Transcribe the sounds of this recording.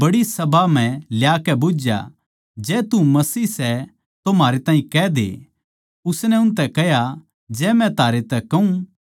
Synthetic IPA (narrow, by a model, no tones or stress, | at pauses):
bɐɽisɐbʱam̤ɛ̃ljaːkɛboːd͡ʒja̰ | d͡ʒɛːt̪umɐsiːsɛ | t̪omaːɾet̪ãːɦĩkɛːd̪ḛ | ʊsnɛʊnt̪ɛkɛɦja | d͡ʒɛːmɛ̃t̪aːɾet̪ɛkɐũ